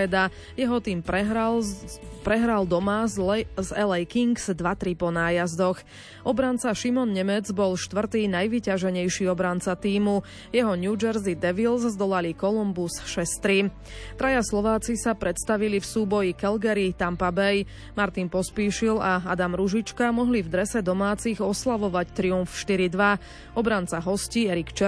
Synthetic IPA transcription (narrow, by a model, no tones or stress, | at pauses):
ɛd̪a | jɛɦɔt̪iːm | pɾɛɦɾald̪ɔmazɛlɛjkiŋɡz̥d̪ʋat̪ɾipɔnaːjazd̪ɔx | ʔɔbɾant͡saʃimɔnɲɛmɛd͡zbɔlʃt̪ʋr̩t̪iːnajʋicaʒɛɲɛjʃiːɔbɾant͡sat̪iːmu | jɛɦɔɲjud͡ʒɛɾzid̪ɛʋilszd̪ɔlalikɔlumbusʃɛst̪ɾi | t̪ɾajaslɔʋaːt͡sisapɾɛt̪st̪aʋilifsuːbɔjikɛlɡɛɾit̪ampabɛj | maɾt̪inpɔspiːʃilaad̪amɾuʒit͡ʃkamɔɦlivd̪ɾɛsɛd̪ɔmaːt͡siɣɔslaʋɔʋact̪ɾiunfʃt̪iɾid̪ʋa | ɔbɾant͡saɦɔsciːɛɾikt͡ʃɛ